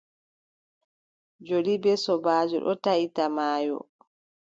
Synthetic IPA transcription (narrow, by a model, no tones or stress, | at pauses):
d͡ʒolibɛsɔbaːd͡ʒɔ̰ɗɔ̰taitamaːjɔ̰